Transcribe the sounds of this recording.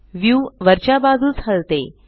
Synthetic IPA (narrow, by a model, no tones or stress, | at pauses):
ʋjuːʋəɾt͡ɕabad͡zuːd͡zʰʱalt̪e